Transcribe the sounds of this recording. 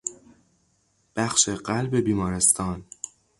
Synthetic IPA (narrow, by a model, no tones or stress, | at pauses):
b̥æxʃeɢælbe̞biːmɒːɾe̞st̪ʰɒːn